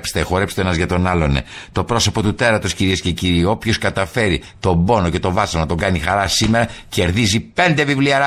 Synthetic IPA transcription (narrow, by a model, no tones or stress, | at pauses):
pst̪exo̞ɾe̞pst̪eenɐzʝɐt̪o̞nɐlo̞nḛt̪o̞pɾo̞so̞po̞t̪ut̪eɾɐt̪o̞sciɾiesce̞ciɾio̞pço̞skɐt̪ɐfe̞ɾi | t̪o̞bo̞no̞ce̞t̪o̞vɐsɐnɐt̪o̞ŋɡɐnixɐɾɐsime̞ɾɐce̞ɾðizipe̞nd̪e̞vivliɐɾɐ